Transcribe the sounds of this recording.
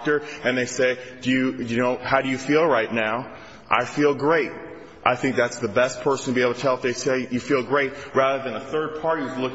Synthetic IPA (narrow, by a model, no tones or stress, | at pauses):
k̚tə˞ɨ̃nðeɪseɪd̥ɨjɨjɨnoʊhaʊɾɨjɨfilˠɹaɪtⁿnaʊ | ʔa̰ɪfilˠɡɹeɪt̚ | ʔaɪθɪ̃ŋk̚ðætsðɨbɛspʰɜ˞sn̩tʰɨbieɪbl̩ˠtʰtʰɛlˠtðeɪseɪjɨfilˠɡɹeɪt̚ɹæðə˞ðɨ̃nəθɜ˞d̚pʰɑɹɾizlʊk